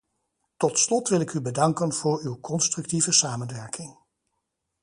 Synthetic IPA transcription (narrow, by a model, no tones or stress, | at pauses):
tɔtslɔtʋɪlɪkybədɑŋkənv̥ʊːɹywkɔnstrɵktivəsaːmənʋɛɹkɪŋ